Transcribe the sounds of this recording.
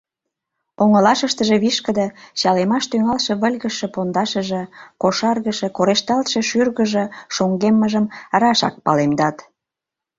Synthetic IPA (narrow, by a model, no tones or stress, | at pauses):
oŋə̆lɑʃəʃt̪əʒĕβiʃkə̆d̪eɕɑlemɑʃt̪yŋɑlʃĕβəlʲɣəʃĕpond̪ɑʃəʒĕkoʃɑrɣəʃĕkoɾeʃt̪ɑlt̪ʃĕʃyrɣəʒĕʃoŋɡemːəʒəmɾɑʃɑ̰k̚pɑlemd̪ɑt̪